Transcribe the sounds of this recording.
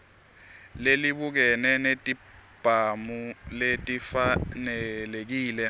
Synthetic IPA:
leliɓuk̬ɛnɛnetʼib̥ʱamuletʼifanɛlek̬iːlɛ

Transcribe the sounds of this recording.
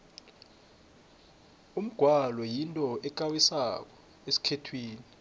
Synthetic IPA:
um̩ɡ̥ʱwalɔjintʼɔɛk̬ʼawisak̬ɔ̥ | esi̥kʰetʰwiːni

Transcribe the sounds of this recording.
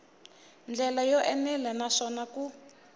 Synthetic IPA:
nd͡ɮɛlajɔʔɛnɛlɛnaʂɔnaku

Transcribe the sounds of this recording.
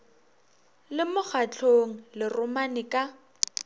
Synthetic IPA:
lɪmʊk͡xʰat͡ɬʰoŋ̩lɪrʊmanɪkʼa

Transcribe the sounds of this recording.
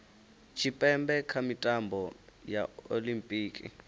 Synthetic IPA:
t͡ʃʰipʼɛmbɛkʰamitʼambʱɔjao̰limpʼiːkʼḭ

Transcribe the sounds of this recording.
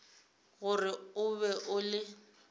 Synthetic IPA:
ɣʊrɪʊbɛʔʊlɪ

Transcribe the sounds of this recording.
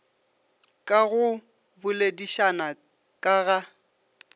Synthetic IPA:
kʼaɣʊ | bʊlediʃana | kʼaɣa

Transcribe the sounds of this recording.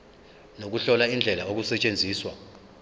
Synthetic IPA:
nok̬uɬɔlaind͡ɮʱɛlaok̬usɛt͡ʃʼend͡zʱiːswa

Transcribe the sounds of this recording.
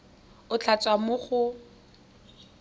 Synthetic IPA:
ʊt͡ɬʰat͡sʼwamʊχʊ

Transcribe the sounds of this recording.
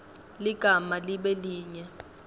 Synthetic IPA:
liɡ̥ʱamaliɓɛliːɲɛ

